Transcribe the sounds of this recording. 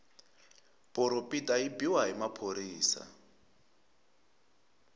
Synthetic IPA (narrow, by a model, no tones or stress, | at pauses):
pʼɔɾopʼitʼaɦibiwaɦimapʰoɾiːsa̰